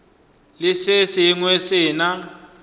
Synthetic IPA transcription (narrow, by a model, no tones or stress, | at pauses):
lɪsɪsɪŋwesɪːna